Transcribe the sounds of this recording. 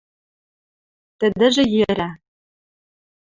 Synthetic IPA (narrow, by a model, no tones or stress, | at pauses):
t̪ɘ̆d̪ɘ̆ʒĕjɘ̆ɾæ